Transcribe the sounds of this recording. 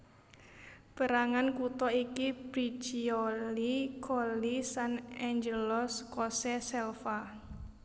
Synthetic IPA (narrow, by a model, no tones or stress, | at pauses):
b̥ə̤ɾaŋankut̪ɔikib̥ɾi̥t͡ʃiɔlikʰɔlisanɛɲd͡ʒəlɔskɔsɛsɛlfa